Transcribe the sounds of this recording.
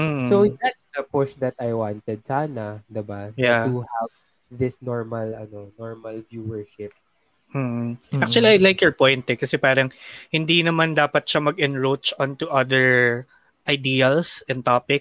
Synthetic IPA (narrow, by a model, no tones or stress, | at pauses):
m̩ːsowd̪at̪sd̪ɐpɔsd̪ɐt̪ajwant̪ɛd̪̚saːnɐd̪ɪbajat̪uhav | ðɪsnɔɹmɐlɐnonɔɹmɐlvjuːwɛɹʃɪp̚ | m̩ːh̩ak̚t͡ʃuɐliɐjlajkjɔɹpojnt̪ɛkɐsɛpaːɾɐŋhɪnd̪inɐmand̪aːpɐt̪̚ʃamɐɡɛnɹot͡ʃʔont̪ʊʔɐd̪ɛɹ | ʔɐjd̪iːɐlsɛnt̪aːpɪk